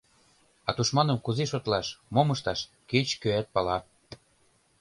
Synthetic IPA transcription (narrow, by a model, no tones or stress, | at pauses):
ɑt̪uʃmɑnə̆mkuzeʃot̪lɑʃmomɤʃt̪ɑʃ | ket͡ɕkøæt̪̚pɑlɑ